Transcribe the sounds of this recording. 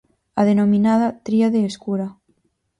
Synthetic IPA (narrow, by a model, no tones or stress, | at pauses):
aðenominaðat̪ɾiaðeːskuɾa